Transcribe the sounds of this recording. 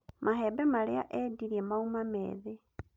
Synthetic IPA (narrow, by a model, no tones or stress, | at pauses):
maɦebemalea̰ʔediɾiemaumamḛːðe